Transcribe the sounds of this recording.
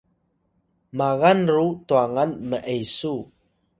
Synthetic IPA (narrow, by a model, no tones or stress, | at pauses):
maɣanrutuaŋanməʔejsu